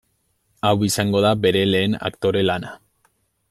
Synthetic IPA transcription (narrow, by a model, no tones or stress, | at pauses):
awisaŋɡo̞ðabe̞ɾe̞le̞ːna̰kt̪o̞ɾe̞lana